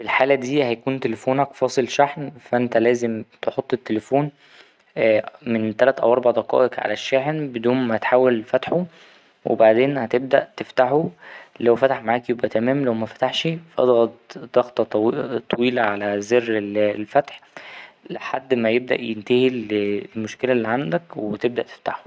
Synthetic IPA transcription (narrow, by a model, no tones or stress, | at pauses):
filħaːlæd̪iːhæjækuːnt̪elefoːnækfɑːsˤelʃaħnfæʔent̪ælæːzemt̪eħot̪ˤːet̪ːelefoːn | ment̪ælæt̪ʔæ̰wʔɑɾˤbaʕd̪ɑqɑ̰ːʔeqʕa̰læʃːæħnbed̪uːnmæhæt̪ħaːwelfæt̪ħo | wʔḛbaʕd̪eːnhæt̪eb̚d̪æʔt̪eft̪aħulæwfæt̪aħmaʕaːkjobʔæt̪æmæːmlæwmæfæt̪aħʃifʔɑ̰d̪ˤɣɑt̪̚d̪̥ɑɣt̪ˤɑt̪ˤːɑwiːlæʕalæzerːellfæt̪ħleħad̪ːmæjeb̚d̪æ̰ʔjent̪æhilelmoʃkelæʔlːiʕand̪ækwet̪eb̚d̪æʔt̪e̥ft̪aħo̥